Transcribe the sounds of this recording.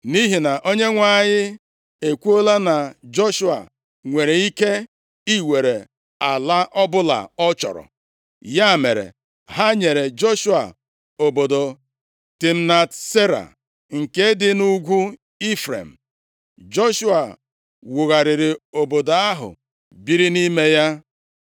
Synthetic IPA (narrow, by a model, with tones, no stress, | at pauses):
ni˦ɦi˨na˨ʔo˦ɲe˦ŋʷa˦˨ɲɪ˦ | e˨kʷu˦o˦la˦na˨d͡ʒo˦ʃu˦a̰˨ | ŋʷe˨ɾe˨i˦ke˦ | i˦we˨ɾe˨ | a˨la˦ʔɔ˦bʊ˦la̰˨ɔ˦t͡ʃɔ̰˨ɾɔ̰˨ | ja˦˨me˨ɾḛ˨ | ɦa˦ɲe˨ɾe˨d͡ʒo˦ʃu˦a̰˨ | o˨bo˨do˨ | ti˨m̩˦na˨tse˦ɾa̰˨ | ŋ̩˨ke˦dɪ˦nu˦ɡʷu˦ | i˦fɾḛ˨m̩˨ | d͡ʒo˦ʃu˦a˨ | wʊ˨ɣa˨ɾɪ˨ɾɪ˨o˨bo˨da˦ɦʊ̰˨ | bi˦ɾi˦ni˦me˦ja˦